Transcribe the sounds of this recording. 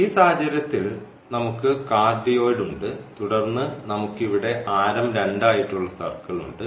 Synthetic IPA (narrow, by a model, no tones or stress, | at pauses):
iːsaːd͡ʑɐɾɐt̪ːil | nɐmukːɨkaːd̪ɐjo̞ːɽuɳɖɨt̪uɽɐrnːɨnɐmukːiʋiɽe̞ʔaːɾɐmɾeɳɖaːjiʈːuɭːɐsɐ̰rkːɐɭṵɳɖɨ